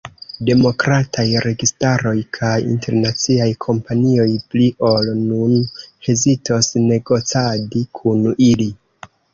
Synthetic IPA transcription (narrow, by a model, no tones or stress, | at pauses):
de̞mo̞kɾatʰajɾe̞ɡistaɾo̞jkʰajḭnte̞ɾnat͡siajkʰo̞mpanio̞jpliʔo̞lnunhe̞zitosne̞ɡo̞t͡sadikʰunili